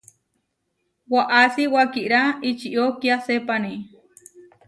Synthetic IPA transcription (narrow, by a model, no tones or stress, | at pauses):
waʔasiwakiʔɾait͡ʃiʔokiasepani